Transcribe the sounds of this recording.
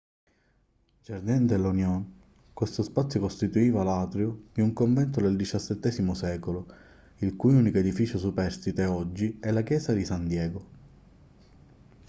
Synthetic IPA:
d͡ʒerd̪ɛnd̪elːunjɔn | kwest̪ospat̪sːjokost̪it̪uiːvalaːt̪ɾjod̪iuŋkoɱvɛnt̪̬od̪eld̪it͡ʃasːet̪ːɛzimosɛːkolo | ilkujunikoed̪ifit͡ʃosupɛrst̪it̪eɔd͡ʒːiɛlak̟jɛːsad̪isand̪jɛːɡo

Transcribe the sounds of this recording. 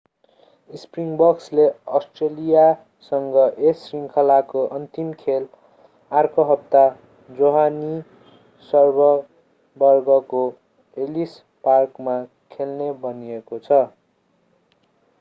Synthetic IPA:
ispriŋbʌksleʌsʈrelija | sʌŋɡʌʔesriŋkʰʌlakoʔʌnt̪imkʰel | arkʌɦʌp̚t̪a | d͡zoɦani | sʌrbʌ | bʌrɡʌko | elis | parkma | kʰelnebʌniekot͡sʰʌ

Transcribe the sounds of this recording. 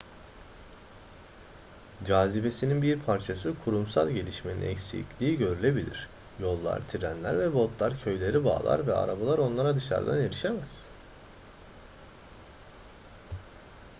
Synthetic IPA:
d͡ʒaːzibe̞sininbiɾpʰaɾt͡ʃʰasɯkʰuɾumsa̰lˠɟe̞lʲiʃmenḭnɛcsḭclʲiːɟø̞ɾylʲe̞bilʲḭɾ̥ | jo̞lˠːa̰ɾt̪ʰiɾænlʲæ̰ɾvɛbo̞t̪lˠaɾcʰø̞jlʲe̞ɾiba̰ːlˠa̰ɾvɛa̰ɾabalˠaɾo̞nlˠaɾad̪ɯʃa̰ɾd̪a̰neɾiʃe̞mæz̥

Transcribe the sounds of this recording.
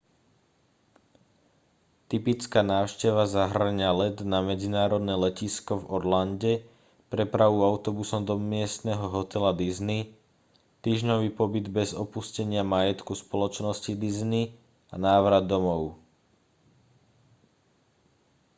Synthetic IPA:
t̪ipit͡skaːnaːʊʃcɛʋazaɦr̩ɲalɛd̪namɛd͡zinaːɾɔd̪nɛːlɛciskɔvɔɾlanɟɛ | pɾɛpɾaʋuaʊt̪ɔbusɔmd̪ɔmɪɛst̪nɛɦɔɦɔt̪ɛlad̪izni | t̪iːʒɲɔʋiːpɔbid̪bɛzɔpuscɛɲɪamajɛt̪kuspɔlɔt͡ʃnɔscid̪izni | anaːʋɾad̪ːɔmɔʊ

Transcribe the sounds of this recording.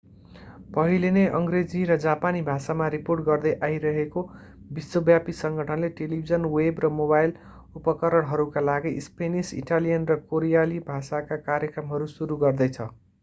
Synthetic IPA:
pʌɦileneʔʌŋɡred͡ziɾʌd͡zapanibʱasamaɾiporʈ̚ɡʌrd̪ʌjʔaiɾʌɦeko | bisːobjapisʌŋɡʱʌʈʰʌnleʈelibʱid͡zʌnwebrʌmobajl | upʌkʌɾʌɽɦʌɾukalaɡispenisḭʈalijʌnrʌkoɾijalibʱasakakaɾjʌkrʌmɦʌɾusuɾuɡʌrd̪ʌjt͡sʰʌ

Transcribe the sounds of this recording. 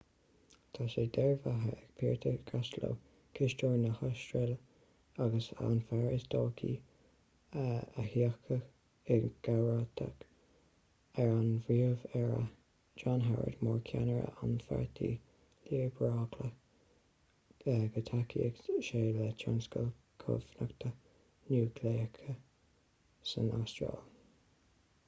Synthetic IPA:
t̪ʰaːʃeːd̪ɛɹvaɦəɛɡ̚pʰiːɹt̪ʰəɡ̥aslo̰ | kʰɪʃt͡ʃoːɹnəxaʃtɹɪl | aɡəsa̰nfaɹɪsd̪̥ɔːkʰḭ | əhiəkʰə | ɛɡ̥awɹat̪ʰa̰k | ɛɹanvɹiəvɛɹə̰ | d͡ʒanɦaɹə̰d̪mɔːɹkʰanəɹə̰anfa̰ɹt̪ʰḭː | liːɹbɹɑːkʰlə | əɡət̪ʰakʰḭəɡʃeːlət͡ʃʰɔnskəl | kʰʊ̰vnəkt̪ʰə | nuːkʰleːkʰə | sənastɹɔ̰ːl

